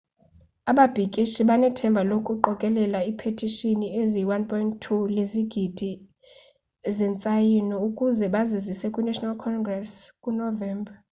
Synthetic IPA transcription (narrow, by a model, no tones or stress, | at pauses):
aɓab̥ʱikʼiʃiɓanɛtʰɛmbʱalokʼuǃɔkʼɛlɛlaipʰetʰʼiʃinieziwanpʰʼɔjnttʰuleziɡ̥ʱid̥ʱi | zɛnt͡sʼajinɔukʼuzɛɓazizisɛkʼwunɛʃɔnalkʰɔŋɡrɛskʼunɔvɛːmbʱa